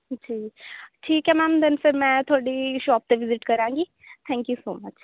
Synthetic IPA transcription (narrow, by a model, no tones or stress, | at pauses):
d͡ʒiːʈʰiːkɦɛmaːmd̪ənfɪɾmɛ̃t̪ʰoːɽiʃɔːp̚t̪eʋɪzɪʈkɐɾãːŋɡi | t̪ʰɛ̃ːŋkjusoːmɐt͡ʃ